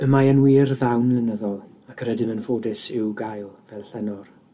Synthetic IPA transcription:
əmajənwiːrðawnlɪnəðɔlˠ | akʰəɾɛdɪmənfoːdɪsɪwɡajlˠvɛlˠɬɛnɔr

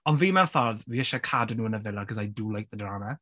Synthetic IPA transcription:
ɔnviːmɛnθɔrðviːəʃakʰadnuːənəvɪlˠaɡʰɔsajduːlˠajθədraːna

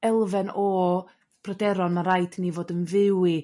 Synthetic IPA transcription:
ɛlˠvɛnɔ | b̥rɔdɛɾɔnmaɾajdʰnivoːdənvɪwi

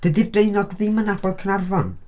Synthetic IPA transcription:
d̥ədirdrejnɔɡðɪmənabɔlˠkʰənarvɔn

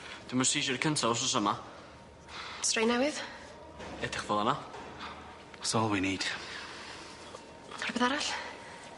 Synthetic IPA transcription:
d̥uməsiːʃərkʰəntʰaɔs̬ɔsəma | strejnɛwɪð | ɛdɪχvɔðˠana | sɔːlˠwiniːd̥ | arbɛðaɾaɬ

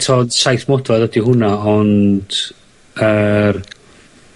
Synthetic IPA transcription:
tʰoːdsajθmɔdvaðədiɦʊnaɔnd̥ | ər

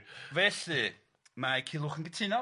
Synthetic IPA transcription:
vɛɬɨ | makʰɪlˠʊχənɡətʰiːnɔ

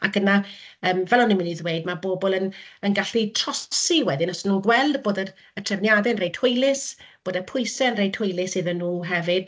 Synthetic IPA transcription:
akənaəːmvɛlˠɔnɪmɪniðweɨdmaboːbɔlˠənənɡaɬitʰrɔsiwɛdɪnɔstnːuːnɡwɛlˠdboːdə | ətʰrɛvnjadɛənrejthʊjlˠɪsb̥oːdəpʰʊɨsɛənrejtʰhʊjlˠɪsiðənːuːɦɛvɨd̥

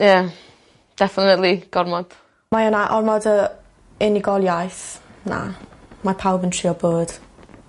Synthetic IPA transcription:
ja | d̥ɛfənətliɡ̥ɔrmɔd̥ | majanaʔɔrmɔdə | ɪniɡɔlˠjajθna̰mapʰawbəntʰriːɔboːd̥

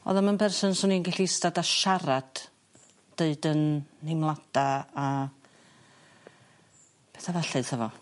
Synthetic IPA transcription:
ɔ̰ðamənpʰɛrsɔnsʊninɡɛɬiɪstadaʃaɾad̥ː | eɨdənːɪmlˠad̥aː | pʰeθavaɬɨðhəvɔ

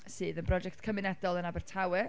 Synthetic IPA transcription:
siːðənbrɔd͡ʒɛk̚tkʰəmɪnɛdɔlˠənabɛrtʰawɪ

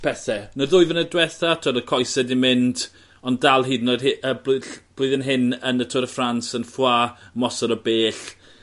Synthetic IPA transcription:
pʰɛθɛnəðʊɨvənədwɛθatʰʊɾəkʰɔjsɛdimɪnd | ɔndalˠɦiːdnɔdɪəbb̥lʊɨðənɦɪnənətʰʊɾəfransənfwaːmɔsɔɾɔbeːɬ

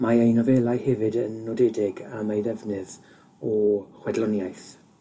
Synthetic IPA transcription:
maejnɔvɛːlˠajhɛvɨdənːɔdɛdɪɡamejðɛvnɨð | ɔχwɛdlɔnjajθ

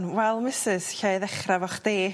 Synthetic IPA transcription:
nwɛlˠmɪsɪsɬajðɛχravɔχd̥eː

